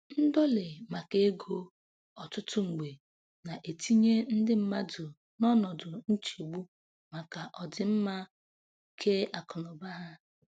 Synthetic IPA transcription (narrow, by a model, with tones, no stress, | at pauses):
n̩˦dɔ˦lɪ˨ma˨ke˦ɡo˦ | ɔ˨tʊ˦tʊ˦ŋ͡m̩˨ɡ͡be˨ | na˨ʔe˨tʰi˦ɲe˦n̩˦dɪ˦m̩˦ma˦dʊ˨ | nɔ˦nɔ˨dʊ˨n̩˦t͡ʃi˨u˨ɡ͡bu˦ | ma˨ka˨ʔɔ˨dɪ˨m̩˦ma˦˨ | kʰe˦a˨kɔ˨nɔ˨ba˦ɦa˦